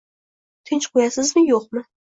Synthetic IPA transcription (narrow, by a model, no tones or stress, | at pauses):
t̪ʰɪnt͡ʃqʰʊjasɪzmɪjoqmɪ